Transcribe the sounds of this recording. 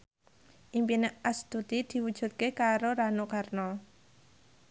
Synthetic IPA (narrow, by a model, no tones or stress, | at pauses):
ʔimpinəʔast̪ut̪id̪̥i̤wud̥ʒ̥ṳt̪̚kekaɾoɾanokarnɔ